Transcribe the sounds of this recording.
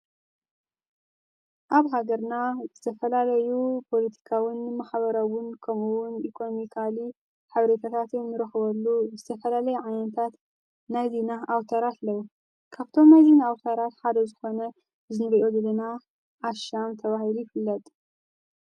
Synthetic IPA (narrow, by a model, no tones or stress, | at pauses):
ʔaβɦaɡɐɾnazɨt̪ʰɐfɐlalɐjupʰo̞lɐt̪ʰi̥kʰawɪnmaħβɐɾawʊnkʰɐmuwʊnikʰo̞nomikʰali | ħɨβɾet̪ʰat̪ʰat̪ɨnnːɨɾɐxβɐlːuzɨt̪ʰɐfɐlalɐjuʕajnɐt̪ʰat̪ | najzinaʔawt̪ʰɐɾat̪lɐwu | kʰaβt̪ʰo̞mnajzinaawt̪ʰɐɾat̪ħad̪ɐzɨxo̞nɐ | zɨnɨβɐʔod̪ɨlɨna | ʔaʃamt̪ʰɐβahilujifɨlːɐt̪ʼ